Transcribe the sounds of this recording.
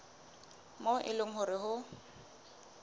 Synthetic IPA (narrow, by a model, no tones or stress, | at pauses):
moʔɪ̰lʊŋ̩ɦʊɾɪɦʊ